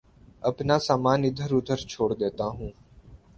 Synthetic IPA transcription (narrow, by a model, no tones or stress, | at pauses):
əpnaːsaːmaːnɪd̪ʱəɾʊd̪ʱəɾt͡ʃʰoːɽd̪eːt̪aːɦũː